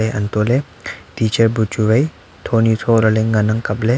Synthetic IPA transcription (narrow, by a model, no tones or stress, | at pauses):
ejɐ̰nt̪ole | ʈiːt͡ʃəɾbut͡ʃuɾɐj | t̪ʰoːnit̪ʰoɾɐleŋɡɐnɐŋkɐble